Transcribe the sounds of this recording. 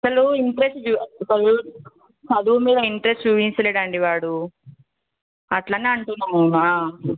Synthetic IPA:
ɐsɐluiɳʈɾesʈd͡ʒukɐlu | sɐd̪umiːd̪ɐiɳʈɾesʈd͡ʒuːʋiɲt͡ʃɐleɽaːɳɖiʋaːɽu | ɐʈlanːeɐɳʈunːaːmuaː

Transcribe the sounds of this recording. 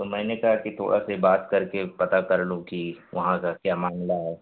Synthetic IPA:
t̪omɛ̃ːnekɐɦakit̪ʰo̰ːɽʔa̰sebaːt̪kɐɾkepɐt̪akɐɾlokiʋɐɦãkakjaːmaːŋlaɦɛː

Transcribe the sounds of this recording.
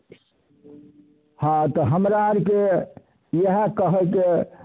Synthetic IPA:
hãt̪ɔɦəmɾaɾke | jəɦə̃kəɦəke

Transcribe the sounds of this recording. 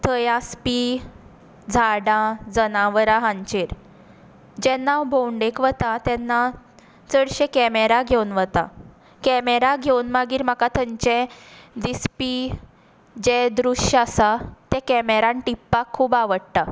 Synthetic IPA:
t̪ʰəjaspi | d͡zʱaɽãd͡zənaʋəɾaɦãɲt͡ɕeɾ | d͡ʑɛnːawbʱowɳɖekʋət̪at̪ɛnːa | t͡səɽɕekɛmeɾaɡʱewnʋət̪a̰ | kɛmeɾaɡʱewnmaɡiːɾm̤akat̪ʰəɲt͡ɕɛ̃d̪ispi | d͡ʑɛd̪ɾuɕasat̪ɛ̃kɛmeɾãnʈipːakʰːuːbaʋəɽt̪a

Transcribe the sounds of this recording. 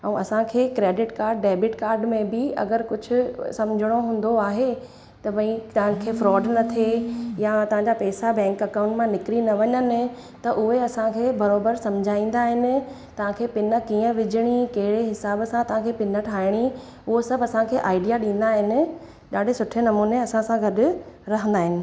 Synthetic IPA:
ɛ̃ːɐsãkʰeːkɾeːɖɪʈkaːɾɖːeːbɪʈkaːɾɖmẽbɪɐ̰ɡəɾkʊd͡ʑʱʊ̆sɐmd͡ʑʱɪɽ̃oɦũːn̆d̪oaːɦe | t̪ɐpɐ̃ĩt̪ɐɦə̃kʰeːfɾɔːɖnɐt̪ʰejaɐt̪ɐɦãɲd͡ʑapɛːsabɛ̃ːŋkɐkãʊ̃ɳʈmãnɪkɾinɐʋɐɲənɪ̆ | t̪ɐʔʊɦeɐsãkʰeːbɐɾoːbəɾsɐmd͡ʑʱaːĩːn̆d̪aːɦɪnɪ̆ | t̪ɐʋ̤ãkʰeːpɪnə̆kiːə̃ʋɪd͡ʑʱɪɽ̃ikɐɦɪɽeɦɪsaːbsãt̪ɐɦãkʰeːpɪnəʈʰaːɪɽ̃i | ʊɦosɐbɐsãkʰeːʔaːɪɖijaɗĩːn̆d̪aːɦɪnɪ̆ | ɗaːɖʱesʊʈʰenɐmuːneɐsãsãɡɐɗʊ̆ɾɐɦə̃nd̪aːɦɪnɪ̆

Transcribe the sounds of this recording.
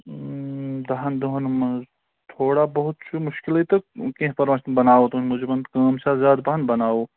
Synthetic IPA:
d̪ɐɦɐnd̪oɦnmɐ | t̪ʰoːɽabɐɦʊt̪̚t͡ʃʰumʊʃkilɐt̪ɐkẽɦpɐɾmãʃt̪ɐnbɐnaːot̪unmud͡ʒebɐnd̪kɐːmsazjaːd̪bɐɦɐnbɐnaːo

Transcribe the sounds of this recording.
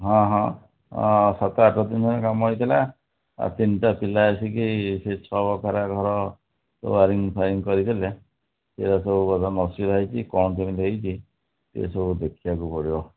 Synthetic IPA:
ɦɔ̃ɦɔ̰̃ | sat̪ɔaʈɔt̪ind͡ʒɔnɔkamɦjt̪ʰila | a̰t̪inʈapilaasikiset͡ʃʰɔbɔkʰaɾaɡʱɔɾɔ | sɔ̰aɾiŋpʰaɾiŋkɔɾit̪ʰile | t̪eɾasɔbukɔt̪anɔsiɾaɦjt͡ʃʰikɔnɔtimilejt͡ʃʰi | t̪ḛsɔbʱud̪ekʰibakupɔɽibɔ

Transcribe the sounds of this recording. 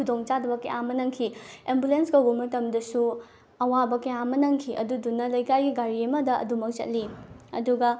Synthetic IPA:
kʰudoŋt͡ʃadɐbɐkɐjamɐnɐŋkʰiembulenskɐwbɐmɐtɐmdɐsu | ɐwabɐkɐjamɐnɐŋkʰiʔɐ̰dudunːɐlɐjkajɡiɡaɾiɐmɐdɐɐ̰dumɐk̚zɐ̰t̚liɐ̰duɡɐ

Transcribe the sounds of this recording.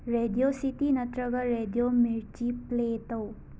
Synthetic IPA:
ɾedijosit̪inɐt̪ɾɐɡɐɾedijomiɾt͡ʃipletɐw

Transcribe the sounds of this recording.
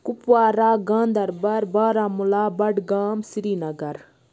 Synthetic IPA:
kupwaːɾaːɡãːnd̪ɐɾbɐɾbaːɾaːmulaːbɐɖɡaːmsiɾiːnɐɡɐɾ

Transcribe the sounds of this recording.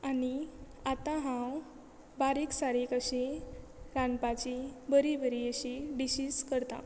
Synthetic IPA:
ani | at̪ãɦãw | baɾiksaɾikəɕe | ɾanpat͡ɕibəɾibəɾiəɕiɖiɕiːskəɾt̪ã̰

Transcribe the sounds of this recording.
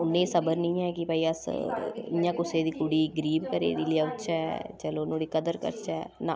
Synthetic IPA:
ʊnːẽːsəbəɾnĩːɛːkɪpəiːəsɪ̰jãːkʊseːd̪iːkʊɽiːɡəɾiːbkəɾḛːd̪iːliaːʊt͡ʃɛt͡ʃəloːnõːɽiːkəd̪əɾkə̰ɾt͡ʃɛ̰ːnã̰ː

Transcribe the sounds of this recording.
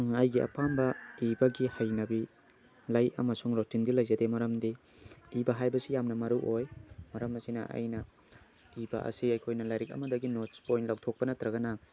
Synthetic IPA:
ɐjɡiɐ̰pambɐibɐɡihɐjnɐbi | lajɐ̰mɐsuŋɾotindilɐjzɐdemɐɾɐmdiː | bɐɦajbɐsijamnɐmɐɾuʔojmɐɾɐmɐsinɐ̰ɐ̰jnɐ | iba̰ʔɐ̰siɐjkʰojnɐlajɾik̚ɐ̰mɐdɐɡinot͡ʃpojntlawtʰok̚pɐnɐt̪ɾɐɡɐnɐ

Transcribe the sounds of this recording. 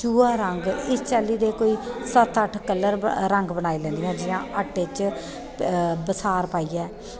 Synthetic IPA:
t͡ʃuːaːɾəŋɡɪst͡ʃaːlːiːd̪eːkoːiːsət̪ʰəʈʰkəlːəɾɾəŋɡbənaːiːlɛ̃ːnd̪ijãːd͡ʒɪjãːʔəʈːet͡ʃ | bəsaːɾpaːiːɛː

